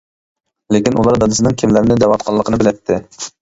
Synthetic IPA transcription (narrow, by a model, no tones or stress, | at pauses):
lɪkʲinʔulˠɑɾd̪ɑd̪ɨsɨnɨŋkʲʰimlæɾnɪd̪ɛwɑt̪̚qʰɑlˠːəqʰənɨbɪlɛt̪ʰːɪ